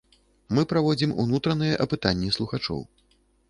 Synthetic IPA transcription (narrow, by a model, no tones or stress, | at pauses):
mɨpɾavɔd͡zʲimṵnut̪ɾɐnɨjɛʔɐpɨt̪anʲːɛslˠuxat͡ʂɔ̰w